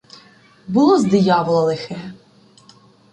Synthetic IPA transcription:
bʊlˠɔzd̪ɪjɑblˠɐlˠɪxɛ

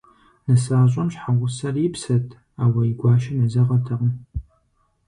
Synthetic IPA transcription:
nɨsaːɕʷʼɐmɕħaʁʷʊsɐripʰsɐtʰʼ | awɐiɡʷaːʃɪnɐzɐʁɐtʰɐʁə

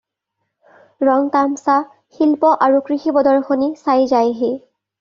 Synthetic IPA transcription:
ɹɔŋtamsa | xilpɔʔaɹukɹixibɔdɔɹxonisajzajɦe

